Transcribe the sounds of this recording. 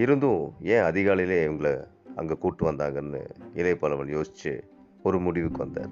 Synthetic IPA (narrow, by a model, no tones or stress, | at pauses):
ɪɾɯnd̪ʊ̃ẽːɐðɪɣaːlɪjɪleːɪʋɐŋɡɐɭɐɐ̰ŋɡekuːʈːɯʋɐnd̪aːŋɡɐnːɯ̰ɪlɐɪpːɐːlɐʋɐljoːsɪ̥t͡ʃːɯ̰ | ɔɾɯmʊɽɪʋɯkːɯʋɐnd̪a̰ːɾ